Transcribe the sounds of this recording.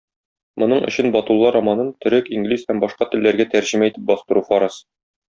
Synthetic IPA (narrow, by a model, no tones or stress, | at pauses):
mŏnɤɴɵ̆ɕɘnbɒt̪ulˠːɑɾɒmɑnɤnt̪ɵ̆ɾɘkiŋɡlishæmbɒʃqɑt̪ɘ̆lːæɾɡæt̪æɾʑɘ̆mæit̪ɘp̚bɒst̪ɤ̆ɾufɒɾɑs